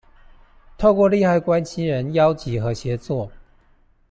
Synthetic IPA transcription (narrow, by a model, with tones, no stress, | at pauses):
t̪ʰo˥˧ʊkwɔ˥˧li˥˧xa˥˩ɪkwa˦nɕi˥nɻə˧˦njɑ˦ʊt͡ɕi˨˥xɤ˨˧˥ɕjɛ˨˧˥t͡swɔ˥˨